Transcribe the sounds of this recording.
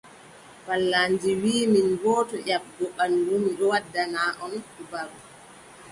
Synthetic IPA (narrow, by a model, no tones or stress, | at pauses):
palːaːnd͡ʒiwiːminɡɔːtɔʔab̚ɡɔɓandumiɗɔwadːanaːʔɔnɗubaɾu